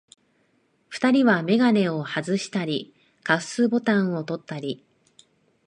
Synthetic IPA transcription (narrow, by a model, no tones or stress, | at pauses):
ɸɯ̟̥t̪aɾʲiβame̞ɡane̞o̞hazɨɕi̥t̪aɾʲi | kasɨbo̞t̪ãɰ̃o̞t̪o̞t̪ːaɾʲi